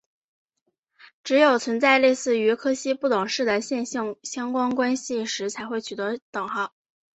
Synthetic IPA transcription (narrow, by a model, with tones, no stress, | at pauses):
ʈ͡ʂɻ̩˧˥jo˨˩ʊt͡sʰwə˧˥nt͡sa˥˧ɪle˥˧ɪsɹ̩˥˩y˧˥kʰɤ˥ɕi˥pu˥˩t̪ʊ˨˩ŋʂɻ̩˥˩d̪ə˩ɕjɛ˥˧nɕɑ˥˩ŋɕjɑ˥ŋkwɑ˥ŋkwa˥nɕi˨ʂɻ̩˧˥t͡sʰa˧˥ɪxwe˥˩ɪt͡ɕʰy˨˩t̪ɤ˧˥t̪ɤ˨˩ŋxɑ˥˩ʊ